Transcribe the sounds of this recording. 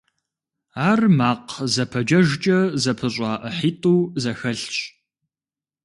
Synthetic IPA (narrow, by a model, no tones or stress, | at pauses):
aːrmaːqzɐpʰɐd͡ʒɐʒt͡ʃʼɐzɐpʰɨɕʼɑːʔəħiːtʼuːzɐxɐɬɕʼ